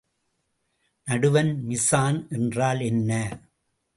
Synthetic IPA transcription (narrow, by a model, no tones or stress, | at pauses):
nɐɽɯʋɐnmɪsaːnʔɛndraːlɛnːɐ